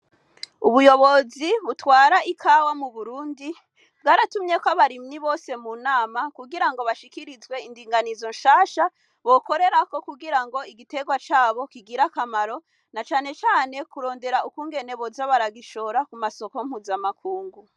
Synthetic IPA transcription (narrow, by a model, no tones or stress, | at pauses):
uβujo̞βo̞ziβutwaːɾaʔikʰawamuβuɾuːndi | bɡaːɾatumɲe̞kwaβaɾimɲiβo̞ːse̞munaːmakuɡiɾaŋɡo̞βaʃikiɾizɡwe̞indiːŋɡanizo̞nʃaːʃa | βo̞ko̞ɾe̞ɾako̞kuɡiɾaŋɡo̞iɡite̞ɡwat͡ʃaːβo̞kiɡiɾakamaɾo̞ | nat͡ʃaːne̞t͡ʃaːne̞kuɾo̞ːnde̞ɾaukuːŋɡe̞ne̞βo̞zaβaɾaɡiʃo̞ɾakumaso̞kom̥huːzamakʰuːŋɡu